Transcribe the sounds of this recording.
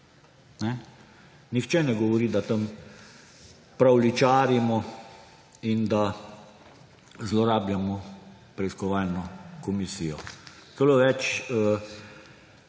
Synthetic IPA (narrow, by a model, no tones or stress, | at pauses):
nɛ | nixt͡ʃɛnɛɡɔʋɔɾiːd̪at̪əm | pɾawlit͡ʃaːɾimɔ | ind̪a | zlɔɾaːbjamɔpɾɛiskɔʋaːlnɔkɔmisiːjɔt̪ɛloʋɛt͡ʃə